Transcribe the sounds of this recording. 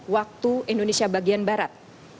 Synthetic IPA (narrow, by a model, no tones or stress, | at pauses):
wak̚t̪uindonesiabaɡianbaɾat̪̚